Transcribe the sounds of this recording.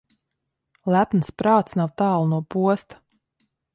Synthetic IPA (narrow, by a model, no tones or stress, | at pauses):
lˠæpnspɾaːt̪snawt̪aːlˠnuɔpuɔst̪ḁ